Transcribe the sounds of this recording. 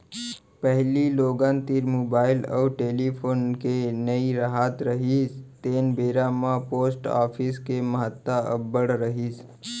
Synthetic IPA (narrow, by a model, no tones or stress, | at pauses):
pəɦliloːɡãːnt̪iɾmoːbaːɪləʈeːlipʰoːnkenəiɾəɦaːt̪ɾəɦist̪eːnbeːɾamãpoːsʈa̰ːpʰiskeməɦət̪ːaə̰bəɽɾəɦiːs